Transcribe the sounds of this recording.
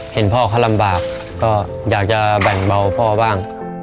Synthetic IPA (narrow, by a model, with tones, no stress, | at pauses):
he˨˩˦npʰɔː˥˩kʰaː˧˥˩la˧mbaː˨˩k̚ː | ɔː˥˩ | jaː˨˩k̚t͡ɕa˨˧˩bɛ˨˩ŋba˧˩wpʰɔː˥˩baː˥˩ŋ